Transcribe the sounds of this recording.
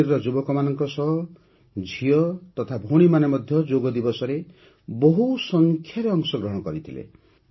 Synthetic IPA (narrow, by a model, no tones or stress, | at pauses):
ɾɾɔd͡ʒubɔkɔmanɔŋkɔsɔɦ | d͡ʒʱijɔt̪ɔt̪ʰabʱoɽ̃imanemɔd̪ʱjɔd͡ʒoɡɔd̪ibɔsɔɾe | boɦusɔŋkʰjaɾeɔŋsɔɡɾɔɦɔɽ̃ɔkɔɾit̪ʰilḛ